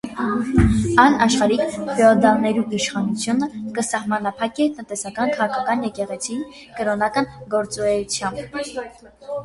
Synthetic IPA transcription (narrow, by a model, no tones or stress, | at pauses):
ɑnɑʃχɑɾikʰfɛɔd̪ɑlnɛɾuiʃχɑnut͡sʰjunəkəsɑhmɑnɑpʰɑkɛt̪ənt̪ɛsɑkɑnkʰɑʁɑkʰɑkɑnjɛkɛʁɛt͡sʰi | kəɾɔnɑkɑnɡɔɾt͡sɔɾɛjut͡sʰjɑmb